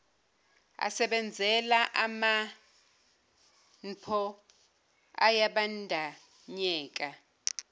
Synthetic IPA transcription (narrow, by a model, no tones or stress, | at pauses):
a̰sɛɓɛnd͡zʱɛlaʔama | n̩pʰɔ | a̰jaɓandʱa | ɲɛːk̬ʼa